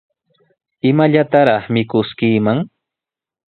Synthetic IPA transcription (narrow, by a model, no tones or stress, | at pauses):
ɪmaʎat̪aɾɑχmɪkʊskiːmaŋ